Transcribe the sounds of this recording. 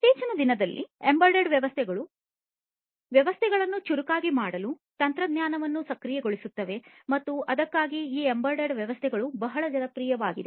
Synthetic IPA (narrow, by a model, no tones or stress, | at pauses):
t̪eːt͡ʃɐnɐd̪inɐd̪ɐlːḭembɐɾɖɐɖʋjɐʋɐst̪ʰɛɡɐɭu | ʋjɐʋɐst̪ʰɛɡɐɭɐnːut͡ʃuɾukaːɡimaːɽɐlu | t̪ɐnt̪ɾɐd̪ɲaːnɐʋɐnːusɐkɾijɛɡoɭisut̪ːɐʋe̞ | mɐt̪ːuɐd̪ɐkːaːɡiiːembɐɾɖeɖʋjɐʋɐst̪ʰɛɡɐɭubɐɦɐɭɐd͡ʒɐnɐpɾiːjɐʋaːɡid̪u